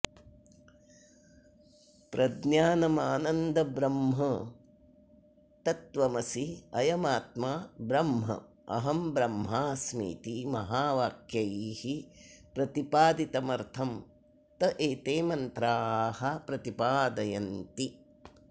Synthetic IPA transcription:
pɾʔɐd̪njaːnɐmaːnɐnd̪ɐbɾɐmɦɐ | t̪ɐt̪ʋɐmɐsiɐjɐmaːt̪̚maːbɾɐmɦɐ̰ | ɐ̰ɦɐmbɾɐmɦaːsmḭːt̪imɐɦaːʋaːkjɐjihipɾɐt̪ipaːd̪it̪ɐmɐɾt̪ʰɐm | t̪ɐʔeːt̪eːmɐnt̪ɾaːhɐpɾɐt̪ipaːd̪ɐjɐnt̪i

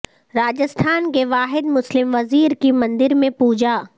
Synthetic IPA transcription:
ɾaːd͡ʒəst̪ʰaːnkeʋaːɦɪd̪mʊslɪmʋɐziːɾkimɐ̃nd̪ɪɾmẽpuːd͡ʒaː

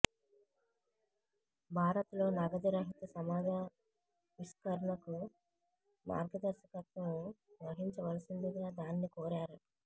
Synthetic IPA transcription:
bʱaːɾɐt̪lo̞ːnɐɡɐd͡ʒ̪ɐɾɐɦit̪ɐsɐmaːd͡ʒɐ | ʋiskɐɾɐɳɐku | ma̰ːɾɡɐd̪ɐɾʃɐkɐt̪mɐnuʋɐɦiɲt͡ʃɐʋɐlɐsind̪uɡaːd̪aːnːikoːɾaːɾu

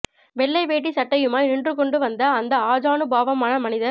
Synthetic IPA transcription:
ʋɛɭːɐɪʋeːʈ̬ːisɐʈːɐjɯmaːjnɪɳdrɯkɔɳɖɯʋɐnd̪ɐːnd̪ɐaːd͡ʒaːnɯbaːʋɐmaːnɐmɐnɪðɐɾ

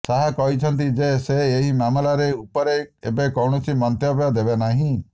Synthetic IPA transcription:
saɦakɔɦit͡ʃʰɔnt̪̬id͡ʒeseːɦimamɔlaɾeupɔɾeebekɔwɳɔt͡ʃʰimɔnt̪jɔbjɔd̪ebenaɦĩ

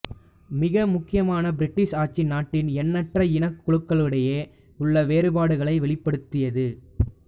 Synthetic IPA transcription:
mɪɣɐmʊkːɪjɐmaːnɐbɪɾɪʈːɪʂaːt͡ʃɪnaːʈːɪnɛnːɐʈrɐɪnɐkːʊɭɯkːɐɭɯɽɐjeː | ʊɭːɐʋeːɾɯbaːɽɯɣɐɭɐɪʋɛɭɪpːɐɽɯt̪ːɪjɐðɯ

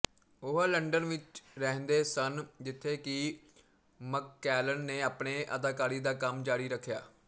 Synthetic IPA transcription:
ʊɦaːləɳɖənʋɪt͡ʃɾɛɦnd̪eːsənd͡ʒɪt̪ʰːeːkɪ | məkːɛːlənːeːaːpɳeːʔə̰d̪aːkaːɾiːd̪aːkəmd͡ʒaːɽiːɾəkʰːjaː

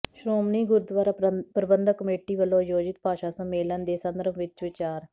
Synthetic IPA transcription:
ʃɾoːmniːɡʊɾd̪ʋaːɾaːpɾəbənd̪əkəmeːʈiːʋəlõːjoːd͡ʒɪt̪̚paːʃaːsəmeːlənd̪eːsənd̪əɾəmʋɪt͡ʃʋɪt͡ʃaːɾ

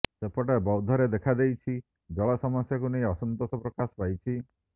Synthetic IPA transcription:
sepɔʈabɔwd̪ʱɔɾed̪ekʰad̪ejt͡ʃʰi | d͡ʒɔɭɔsɔmɔsjakunejɔsɔnt̪ot̪ɔpɾɔkasɔ̥pajt͡ʃʰi

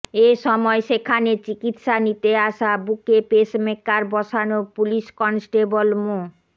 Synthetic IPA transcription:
eʃɔmɔeʃekʰanet͡ɕikit̪ʃanit̪eaʃabukepeʃmekːaɾbɔʃanopuliʃkɔnsʈebolmo

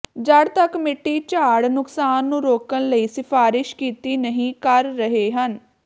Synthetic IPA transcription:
d͡ʒəɽt̪əkmɪʈːiːt͡ʃaːɽnʊksaːnːũːɾoːkənləiːsɪpʰaːɾɪʃkiːt̪iːnəɦĩːkəɾːəɦeːɦən

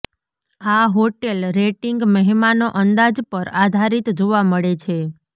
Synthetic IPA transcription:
aɦoʈelɾeʈiŋɡməɦmanoʔənd̪ad͡ʒpəɾad̪ʱaɾit̪d͡ʒoʋaməɭet͡ʃʰe

